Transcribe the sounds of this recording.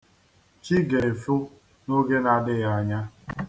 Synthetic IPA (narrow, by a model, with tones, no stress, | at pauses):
t͡ʃi˦ɡe˨e˨fu˦ | no˦ɡe˦na˨dɪ˦ɣa˦˨a˨ɲa˦